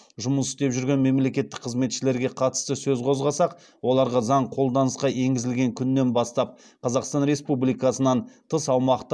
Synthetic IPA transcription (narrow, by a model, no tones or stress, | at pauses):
ʒʊməsɪst̪e̞pʒʏɾɡʲe̞nme̞mle̞kʲe̞t̪ːɪ̥k̚ʲqʰəzme̞t̪ʃɪle̞ɾɡʲe̞qʰɑt̪ə̥st̪əsɵzqʰo̞zʁɑsɑq | wo̞lˠɑɾʁɑzɑɴqʰo̞lˠd̪ɑnəsqɑʔe̞ŋɡʲɪzɪlɡʲe̞ŋkʲʰʏnːe̞nbɑst̪ɑp̚ | qʰɑzɑqst̪ɑnɾe̞spublijkɑsənɑnt̪ʰəsɑwmɑqt̪